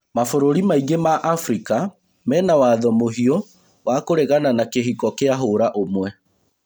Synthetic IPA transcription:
mafoɾoɾimaiɣemaʔafɾika | mɛːnawaðɔmoɦiɔ | wʔakoɾeɣananakeɦikɔkeaɦoɾaʔomwɛ

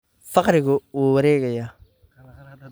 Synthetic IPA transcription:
fɑqɾɪɣʊuːwɐɾɛːɣɐjaː

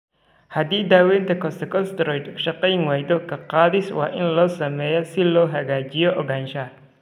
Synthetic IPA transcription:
hɐd̪iːd̪aːwɛːnt̪ʰɐkʰɔst̪ɐkʰɔst̪ɾɔjt̪ʃɐqɛjnwaːjd̪ɔkʰɐqɑːðɪswɑ̰ːʔɪnlɔːsɐmɛːjɔsɪlɔːɦɐɣaːt͡ʃɪjɔʔɔɣaːnʃɐ

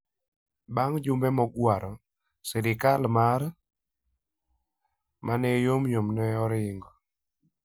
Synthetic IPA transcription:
baŋd͡ʒʊmbɛmɔɡwaɾɔ | sɛɾɪkalmar | mʔanɛjomjomnɛɔɾɪŋɡɔ

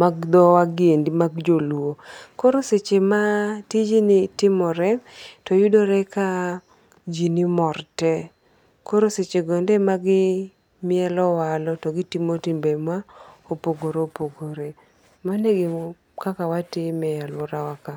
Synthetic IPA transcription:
maɡd̪ɔwaɡɪendimaɡd͡ʒolwokoɾoset͡ʃematid͡ʒinɪtɪmɔɾɛtɔjʊdoɾɛka | d͡ʒinimɔrtɛ | koɾoset͡ʃeɡɔndɛmaɡɪ | mɪɛlɔwalɔtɔɡɪtimotɪmbɛmwaopoɡoɾeopoɡoɾe | maneɡɪ | kakawatɪmɛjalwɔɾawaka

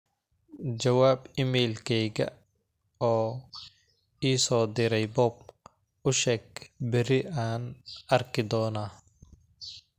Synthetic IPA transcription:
d͡ʒɐwaːbɪmɛlkʰɛjɣɐ̰ | ɔː | iːsɔːd̪ɪɾɛjbɔːb | ʊʃɛːɡ̚bɪɾɪaːnɐrkʰɪd̪ɔːnaː

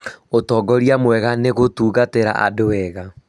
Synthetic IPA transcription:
otɔɡɔɾjamwɛɣaneɣotuːɣateɾa̰ʔa̰doɛɣa

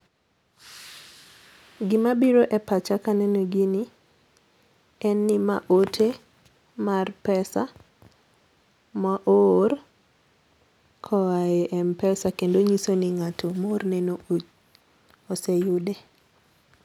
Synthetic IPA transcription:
ɡɪmabiɾoʔɛpat͡ʃakanɛnoɡini | ɛnːɪma̰ʔotʰe | marpɛsa | maʔor | kʰɔaɛʔɛmpɛsakendoɲisoniŋatʰomornɛnood͡ʒ | ɔsɛjʊde

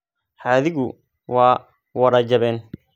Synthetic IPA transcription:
ħaːðɪɣʊ | wɑː | wɐɾɐd͡ʒɐβɛːn

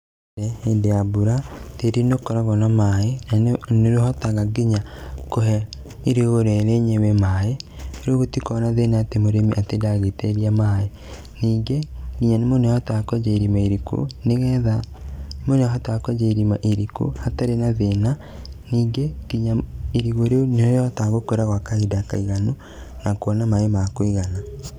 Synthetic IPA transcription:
ɛhendeabuɾateɾinokɔɾaɣɔnamaːenaneɾoɦɔtaɣaɡiɲakoɦɛ | iɾeɣoɾɛɾeɲewɛmaːeɾoɣotikɔnaðenaatemoɾemiʔatedaɣeteɾiamaːe | niːŋɡekiɲanemonehatakwɛd͡ʒaiɾimaeɾikṵneɣɛða | moneɔɦatakwɛd͡ʒeɾimaʔiɾikṵhataɾenaðena | niːŋɡekiɲaiɾiɣoɾeoneoɾjɔtaɣokoɾaɣwakaɲidaka̰iɣano | nakoɔnamaemakwiɣana

